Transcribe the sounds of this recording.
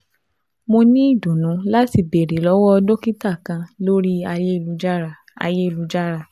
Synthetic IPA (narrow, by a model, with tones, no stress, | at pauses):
mo˧nĩ˦i˦˨dõ˨nũ˨˦la˦ti˧˨be˨ɾe˨lɔ˨˦wɔ˦ɔ˧dõ˦ki˦ta˦˨kã˧lo˦ɾi˦a˧je˦i˦˧˨lu˦d͡ʒa˦ɾa˦˨ | a̰˧je˦i˦˨lu˦d͡ʒa˦ɾa˦˨